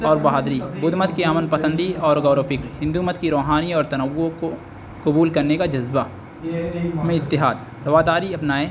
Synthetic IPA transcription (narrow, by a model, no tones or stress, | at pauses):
ɔːɾbɐɦaːd̪ɾibʊd̪mət̪kiaːmənpɐsə̃nd̪iɔːɾɡɔːɾofɪkɾɦɪ̃nd̪umət̪kiɾoːɦaːniɔːɾt̪ɐnəʋːõko | kʊbuːlkɐɾnekad͡ʒɐzba | mẽɪt̪ːɪɦaːd̪ | ɾɐʋaːd̪aːɾiɐpnaːe